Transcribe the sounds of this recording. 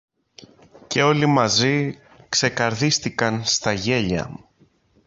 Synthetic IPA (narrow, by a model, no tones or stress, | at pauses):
ce̞o̞limɐzi | kse̞kɐɾðist̪ikɐnst̪ɐʝe̞ʎɐ̰